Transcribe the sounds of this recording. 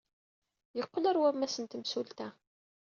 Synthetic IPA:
jəqːlæɾwæmæsənt̪msult̪æ

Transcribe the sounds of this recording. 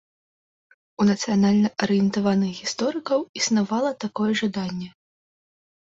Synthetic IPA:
unɐt̪sɨjanalʲnɐʔɐɾɨjɛnt̪avanɨxɣʲist̪ɔɾɨkɐwisnavalˠɐt̪akɔjɛʐad̪anʲːɛ

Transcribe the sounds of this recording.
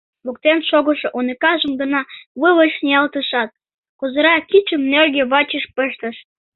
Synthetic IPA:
luk̚t̪enʃoɣəʃoʔonekɑʒə̆mɡə̆nɑβɨβəʃnʲiɑlt̪əʃɑt̪̚ | kozə̆ɾɑkit͡ɕə̆mnerɣeβɑt͡ɕəʃpəʃt̪ə̆ʃ

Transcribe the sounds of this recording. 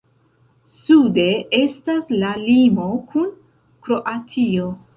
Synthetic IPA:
sude̞e̞staslalimo̞kʰun | kɾo̞ʔatʰio̞

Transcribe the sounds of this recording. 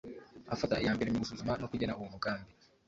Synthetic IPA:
afataijaːmbeɾemiɡusuzumanokuɟenauβuːnukaːmbi

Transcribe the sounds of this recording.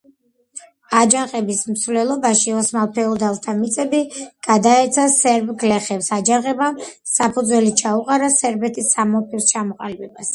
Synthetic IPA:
ad͡ʒaqʼɛbismsvlɛlˠɔbaʃiɔsmalˠpʰɛɔd̪alˠt̪ʰamit̪sʼɛbiɡ̥ad̪aɛt̪sʰasɛɾbɡlɛχɛpsad͡ʒaʁɛbam | sapʰud̪zwɛlit͡ʃʰauqʼaɾasɛɾbɛt̪ʼʰisamɔpʰist͡ʃʰamɔqʼalibɛbas

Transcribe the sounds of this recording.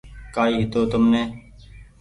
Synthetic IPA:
kaːiːɦɪt̪oːt̪ʊmnẽː

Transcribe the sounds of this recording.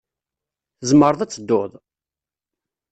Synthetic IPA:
θəzməɾˤðˤæt͡sːəd̪ːʊðˤ

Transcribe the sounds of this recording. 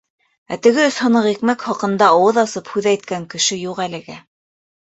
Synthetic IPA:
æ̰t̪ɘ̆ɡɘɵshŏnɤqjɘ̆kmækχɑqɤ̆nd̪ɑːwɤðɑsɤphʉðæjt̪̚kæŋkɘ̆ʃɘjuqælɘ̆ɡæ

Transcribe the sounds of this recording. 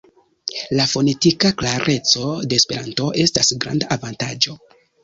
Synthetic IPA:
lafo̞ne̞tikaklaɾʔe̞t͡so̞de̞ːspe̞ɾanto̞ʔe̞stasɡɾa̰ndaʔːvantad͡ʒo̞

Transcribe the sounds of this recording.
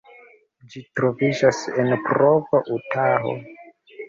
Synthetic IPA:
d͡ʒitɾo̞vid͡ʒasenpɾovaʔutʰaɦo̞̰

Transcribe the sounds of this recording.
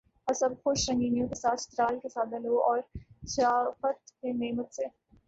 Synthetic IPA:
ɐsɐbxʊʃɾɐ̃ŋɡiːnijõkesaːt̪ʰt̪ɾaːlkesaːt̪̚bɐloʔɔːɾsaːfət̪keneːmət̪seː

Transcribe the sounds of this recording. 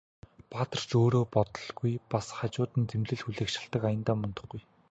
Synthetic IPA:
pat̪ə̆r̥t͡ɕoːɾoːpɔt̪ɞ̆ɮɡujpasχat͡ɕʊːt̪ɘ̆nt͡semɮɘ̆ɮxuɮĕːkʃɪ̆ɬt̪ə̆kajə̆nt̪aːmʊnt̪ɞ̆χɡuj

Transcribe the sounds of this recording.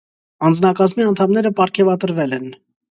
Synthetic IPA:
ɑnd͡znɑkɑzmiɑnt̪ʰɑmnɛɾəpɑɾkʰɛvɑt̪əɾvɛlɛn

